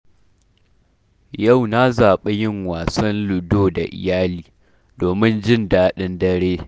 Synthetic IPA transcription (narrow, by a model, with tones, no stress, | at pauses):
ja˦˨wna˦zaː˨ɓe˦jɪ˦ŋwaː˨sɐ˦nlʊ˨doː˦da̰˨ʔɪ̰˨jaː˦liː˨ | doː˨mɪ˦nd͡ʒɪ˦ndaː˦ɗɪ˦ndɐ˦ɾeː˦